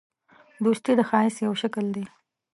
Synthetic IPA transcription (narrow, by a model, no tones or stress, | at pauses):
d̪ost̪id̪əxɑɪsjawʃakəld̪e